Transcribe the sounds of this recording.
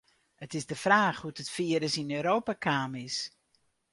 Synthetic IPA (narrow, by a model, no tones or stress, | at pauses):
ətɪzdəfraːxhutətfiəɾəsinøːɾoːpakʰaːmɪs